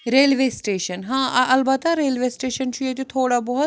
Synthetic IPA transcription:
ɾeːlʋeːsʈeːʃənɦãːʔɐlbɐt̪aɾeːlʋeːsʈeːʃənt͡ʃʰujet̪it̪ʰoːɽabɔɦʊ

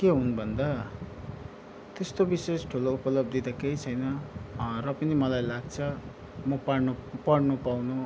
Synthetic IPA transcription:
keɦunbʱʌnd̪a | t̪est̪obisesʈʰuloupʌlʌb̚d̪id̪akejt͡sʰʌjnʌrʌpʌnimʌlajlaɡ̚t͡sʰʌ | mʌpaɽnupʌɽnupawnu

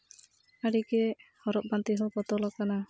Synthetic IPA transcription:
aɽikɛhɔɾɔp̚bant̪iɦɔpɔt̪ɔlɔkana

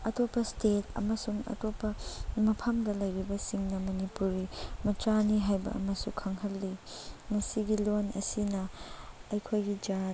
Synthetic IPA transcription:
ɐtopːɐstetʰɐ̰mɐsuŋɐ̰topːɐmɐpʰɐmdɐlɐjɾibɐsiŋnɐmɐnipuɾimɐtɾaniɦajbɐ̰ɐ̰mɐsukʰɐŋhɐlːimɐsiɡilonɐ̰sinɐɐjkʰojɡid͡ʒa

